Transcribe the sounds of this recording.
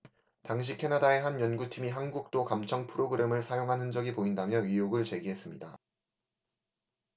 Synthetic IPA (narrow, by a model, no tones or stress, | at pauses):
taŋɕ̬ʰikʰe̞nadae̞ɦanjʌnɡutʰimiɦanɡuk̚t͈okamt͡ɕʰʌŋpʰɯɾʔoɡɯɾʔe̞mɯɭsʰajoŋɦanɯnd͡ʑʌɡipoindamjʌɥijoɡɯɭt͡ɕe̞ɡiɦe̞s͈ɯmɲida